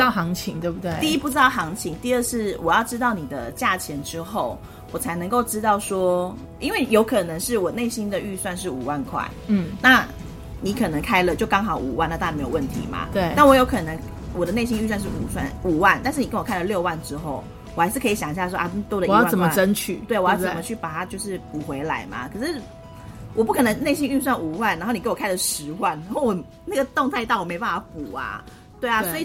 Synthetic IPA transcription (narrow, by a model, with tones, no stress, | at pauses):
t̪ɑ˥˩xɑ˧˥ŋt͡ɕʰi˧˦ŋt̪we˥˧˩bu˨t̪we˧˥˧i˥˧i˦˥pu˥˧ʈ͡ʂɻ̩˥t̪ɑ˥˩ʊxɑ˧˥ŋt͡ɕʰi˧˦ŋt̪i˥˧ə˥˧ʂɻ̩˥˩wʔɔ˨˩jɑ˥˩ʊʈ͡ʂɻ̩˥t̪̬ɑ˥˨˩ʊni˨˩d̪ə˩t͡ɕja˥˩t͡ɕʰjɛ˧˥nʈ͡ʂɻ̩˥xo˥˩ʊ | wɔ˨˩t͡sʰa˧˥ɪnə˧˥ŋko˥˩ʊʈ͡ʂɻ̩˥t̪ɑ˥˩ʊʂwɔ˥ | i˥nwe˥˩ɪjo˧˥ʊkʰɤ˨˩nə˧˦ŋʂɻ̩˥˩wɔ˨˩ne˥˩ɪɕi˥nd̪ə˨y˥˧swa˥˧nʂ̬ɻ̩˥˩u˨˩wa˥˧nkʰwa̰˥˩ɪ˥˩na˥˨˩ | ni˧˥kʰɤ˨˩nə˧˦ŋkʰa˥ɪlə˨t͡ɕjo˥˩ʊkɑ˥ŋxɑ˨˩ʊṵ˨˩wa˥˩na˥˧t̪a˥˩˨me˥jo˨˩wə˥˩nt̪ʰḭ˧˦ma̰˨t̪we˥˩a˥˩nwɔ˧˦jo˧˥kʰɤ˨˩nə˧˦ŋ | wɔ˨˩d̪ə˦ne˥˩ɪɕ̬i˥ŋy˥˧swa˥˧nʂ̬ɻ̩˥˩u˨˩swa̰˥˩nu˨˩wa˥˩nt̪a˥˧nʂ̬̩˥˩ni˨kə˦nwkʰa˥lə˨ljo˥˧ʊwa˥˩nʈ͡ʂɻ̩˥xo˥˩ʊ | wɔ˨xa˧˥ɪʂɻ̩˥˩kʰɤ˧˥i˨˩ɕjɑ˨˩ŋi˩ɕja˥˩swɔ˥ʔa̰˥˩˥t̪wɔ˥d̪ə˨jɑ˥˩wa˥t͡sə˨˩mə˥ʈ͡ʂə˦nt͡ɕʰy˥˩t̪we˥˩ɪwɔ˨jɑ˥˩t͡sə˨˩mə˦t͡ɕʰy˥˩pa˨˩t̪ʰa˦˥t͡ɕjo˥˧ʊʂɻ̩˥˩pu˨˩xwe˧˥ɪla˧˥ɪma̰˨kʰɤ˨˩ʂɻ̩˥˩ | wʔɔ˨˩p̬u˥˩kʰɤ˨˩nə˧˦ŋne˥˩ɪɕi˥ŋy˥˧s̬wa˥˩nu˨˩wa˥˩nː˨˧˥xo˥˩ni˨˧˥wɔ˨˩ka˥ɪlə˨ʂɻ̩˧˦wa˥˩nna˧˥xo˥˩wɔ˨˩ | na˥˩ɡə˩t̪ɔ˥˧ŋt̪ʰa˥˧ɪt̪ɑ˥˩ʊwɔ˨˩me˧˥ɪpa˥˩a˧˥˩pu˨˩a̰˩ | t̪we˥˩ɪa˨˩swɔ˧˥i˨